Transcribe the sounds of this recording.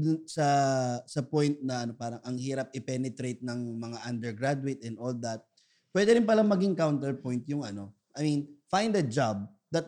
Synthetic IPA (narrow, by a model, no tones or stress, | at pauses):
sɐsɐpojnt̪̚nɐʔɐno̞paːɾɐŋʔɐŋhiːɾɐp̚ɪpɛnɛt̪ɾejt̪̚nɐŋmɐŋaʔɐnd̪ɛɹɡɹad̪ʊwet̪ɛnd̪o̞ld̪ɐt̪̚ | pwɛd̪ɛɾɪnpɐlaŋmɐɡiŋkawnt̪ɛɹpo̞jnt̪jʊŋɐno̞ʔɐjminfajnd̪ɐd͡ʒab̚ | d̪ɐt̪̚